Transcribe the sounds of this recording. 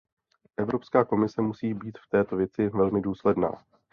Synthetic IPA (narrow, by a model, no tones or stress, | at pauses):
ʔɛvɾo̞pskaːko̞mɪsɛmusiːbiːt̪ft̪ɛːt̪o̞vjɛt͡sɪvɛlmɪduːslɛdna̰ː